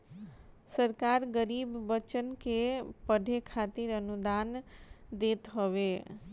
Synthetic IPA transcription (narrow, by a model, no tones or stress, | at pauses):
səɾkaɾɡəɾibːət͡ʃənkepəɖʱekʰat̪iɾənud̪and̪et̪ɦɔʋe